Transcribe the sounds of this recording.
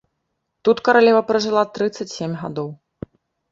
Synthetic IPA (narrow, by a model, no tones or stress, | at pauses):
t̪ut̪kɐɾalʲɛvɐpɾɐʐɨlˠat̪ɾɨt̪sɐt͡sʲsʲemʲɣa̰d̪ɔw